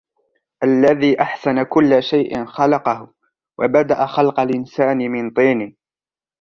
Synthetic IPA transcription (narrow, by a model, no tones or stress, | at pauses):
ʔalːaðiːʔaħsanakʊlːaʃajʔɪ̰nxɑlɑqɑhʊ | wʔa̰bad̪aʔaxɑlqɑlʔɪnsaːnɪmɪnt̪ˤiːnɪ